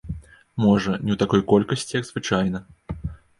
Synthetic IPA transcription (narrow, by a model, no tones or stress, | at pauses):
mɔʐɐnʲiwt̪akɔjkɔlʲkɐsʲt͡sʲijɐɡzvɨt͡ʂajnɐ